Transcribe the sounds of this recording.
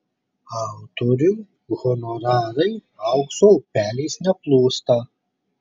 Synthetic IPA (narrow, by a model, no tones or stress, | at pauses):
ɑwt̪oɾʲʊ | ɣɔnɔɾɑːɾɐɪ | ɑʊksoʊpʲæːlʲɛːsnʲɛplˠuːst̪ɐ